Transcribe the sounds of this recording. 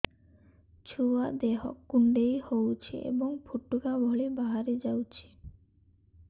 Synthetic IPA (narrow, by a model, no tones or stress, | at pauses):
t͡ɕʰuad̪eɦɔ̰kːuɳɖejhowt͡ɕʰḭḛbɔŋpʰuʈːukabʱɔɭebaɦaɾed͡ʑawt͡ɕʰi̥